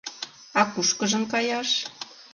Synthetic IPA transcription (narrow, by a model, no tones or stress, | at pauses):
ɑkuʃkə̆ʒə̆mkɑjɑʃ